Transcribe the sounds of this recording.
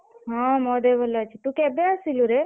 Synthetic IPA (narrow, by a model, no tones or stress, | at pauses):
ɦãmɔd̪ebəlat͡ʃʰet̪ũkɛbeasiluɾe